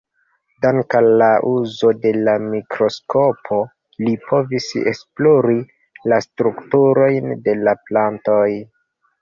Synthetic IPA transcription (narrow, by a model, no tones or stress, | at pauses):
daŋkalaʔuzo̞de̞lamikɾo̞sko̞pʰo̞ | lipʰo̞visesploɾi | lastɾuktuɾo̞jnde̞laplantoj